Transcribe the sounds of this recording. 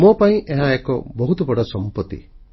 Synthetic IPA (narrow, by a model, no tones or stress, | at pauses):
mopaĩʔeɦãekɔ̰bɔɦut̪ɔbɔɽɔsɔmpɔt̪ḭ